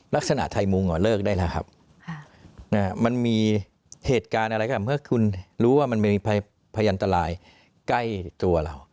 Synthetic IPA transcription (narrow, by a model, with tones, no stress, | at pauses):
la˦˥k̚sa˧na̰˨˩ʔt̪ʰa˧jmu˧ŋːɔː˨˩lɤː˥˩k̚daː˥˩jlɛ˦˥kʰa˦˥p̚ʰ | na˦˥˩ma˧nmiː˧ | heː˨˩t̪̚kaː˧nʔa˧ɾa˧jkːmɯ˥˩ɐkʰu˧nɾuː˦˥waː˥˩ma˧nma˧˩jmiː˧pʰa˧ | pʰaː˧jʔa˧nt̪a˧laː˧j | kla˥˩jt̪u˧ɐla̰˧˩w